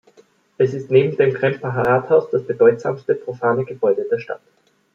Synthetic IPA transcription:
ʔɛsɪstneːbm̩deːmkʁ̥ɛmpʰaɦaʁaːthaʊsd̥asb̥ədɔʏtz̥a̰ːmstəpʁ̥ofaːnəɡəbɔʏdədeːɐʃta̰t

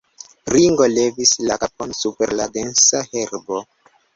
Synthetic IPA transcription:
ɾiŋɡo̞le̞vislakap̚onsupe̞ɾladensahe̞ɾbo

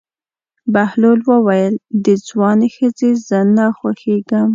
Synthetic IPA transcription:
bahlolwəwajəld̪əd͡zwɑnexəzezənaxwaxeɡəm

